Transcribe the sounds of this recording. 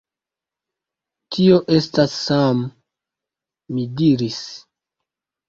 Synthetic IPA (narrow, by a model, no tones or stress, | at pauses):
tʰio̞ʔe̞stasːam | idiɾis